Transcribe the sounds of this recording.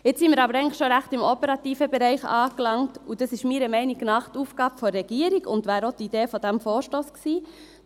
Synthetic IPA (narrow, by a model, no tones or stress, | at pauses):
ɪt͡ssimɪːɾɑbəɾɛɪŋləχʃoɾæχtɪmɔpəɾɑtiːfəbɛɾɛɪχɑ̰ːklɑŋtud̥ɑsɪʃmiːɾəmɛɪniɡnɑχtuːfɡ̥ɑːb̥əfɔːɛɡ̥iːəɾiɡʊ̰ntʋæːɾotid̥eːfɔd̥æmfoːɾʃtoːsksiː